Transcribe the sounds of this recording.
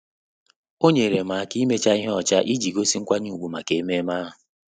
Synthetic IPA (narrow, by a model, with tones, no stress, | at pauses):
o˦ɲe˨ɾe˨ma˨a˨ki˦me˦t͡ʃa˦i˦ɦɔ˦˨t͡ʃa˦ʔi˦d͡ʒi˨ɡo˦si˦ŋ̩˦kʷa˦ɲu˦˨ɡ͡bu˨ma˨ke˨e˦me˦ma˦ɦʊ˨